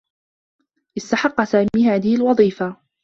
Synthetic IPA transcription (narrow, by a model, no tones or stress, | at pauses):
ʔɪst̪aħɑqːɑsaːmiːhaːðɪhɪlwɑðˤiːfa